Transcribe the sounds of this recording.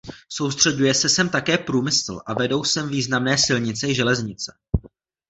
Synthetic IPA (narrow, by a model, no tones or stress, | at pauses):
so̞wst̪r̝̥ɛɟujɛsɛsɛmt̪akɛːpɾuːmɪsl̩ʔavɛdo̞wsɛmviːznamnɛːsɪlɲɪt͡sɛʒɛlɛzɲɪt͡sɛ̥